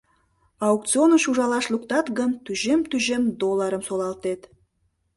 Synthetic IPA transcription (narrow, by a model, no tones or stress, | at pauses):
ɑuk̚tt͡sionəʃuʒɑlɑʃluk̚t̪ɑt̪ɡənt̪yʒemt̪yʒemd̪olːɑɾəmsolˠɑlt̪et̪